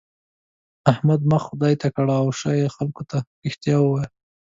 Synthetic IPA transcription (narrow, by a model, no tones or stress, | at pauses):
ahmad̪maxʊd̪ɑjt̪akaɽaːwʃɑjexalkot̪aɾɪxt̪jɑwəwajl